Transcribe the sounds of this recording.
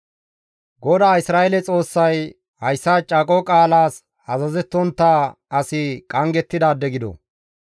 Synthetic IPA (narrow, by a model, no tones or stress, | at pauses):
ɡɔd̪aːɪsɾaːʔɛlɛt͡sʼo̞ːsːɐj | hɐjsːat͡ʃʼɐkʼɔkʼaːlaːs | hɐzɐzɛt̪ːɔnt̪ːaː | ɐsɪkʼɐŋɡɛt̪ːɪd̪aːd̪ɛɡɪd̪ɔ̰